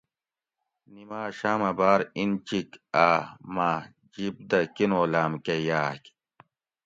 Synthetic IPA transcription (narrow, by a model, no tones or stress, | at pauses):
nimaːɕaːmɐbaːɾint͡ɕikamaː | d͡ʑib̚d̪ɐkinoːlaːmkejaːk